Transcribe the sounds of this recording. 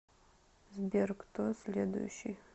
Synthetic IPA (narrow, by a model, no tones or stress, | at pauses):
zbʲerkt̪ʰoslʲed̪ṵjʃij